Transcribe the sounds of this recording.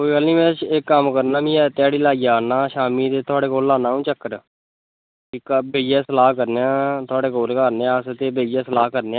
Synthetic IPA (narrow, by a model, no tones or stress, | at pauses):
koːikəlnĩːmɛ̃ːt͡ʃekːəmkəɾnaːbĩːɛːt̪ɪaːɽiːlaːiːaːnaːʃaːmiːt̪eːt̪ʰʊaːɽeːkoːlːaːnãːũːt͡ʃəkːəɾ | kɪkbeːjaːsəlaːɦkəɾneãːt̪ʰʊaːɽeːkoːlkəɾneːãəst̪eːbeːijãːsəlaːkəɾneːaː